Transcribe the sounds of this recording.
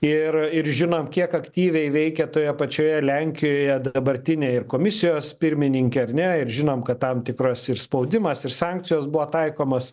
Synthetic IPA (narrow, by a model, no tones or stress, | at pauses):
ɪrɪɾʒʲɪnoːmkʲiɛkɐkt̪ʲiːʋʲɛɪʋʲɛɪkʲɛt̪oːjɛpɐt͡ʃʲoːjɛlʲɛŋʲkʲɪjoːjɛd̪ɐbɐɾʲt̪ʲɪnʲeːɪɾkoːmʲɪsʲɪjoːspʲɪɾʲmʲɪnʲɪŋʲkʲɛɐrnʲɛɪɾʒʲɪnoːmkɐttɐmt̪ʲɪkɾoːsɪɾspɐʊd̪ʲɪmɐsɪɾsɑŋʲk̪̚sʲɪjoːsbʊʋoːt̪ɐɪkoːmoːs